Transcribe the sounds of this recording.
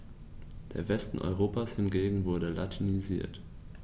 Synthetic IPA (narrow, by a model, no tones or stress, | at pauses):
d̥eːɐvɛstn̩ʔɔ̰ʏʁ̞oːpaːshɪnɡeːɡŋ̩vʊɐɾəlatʰinizḭːɐt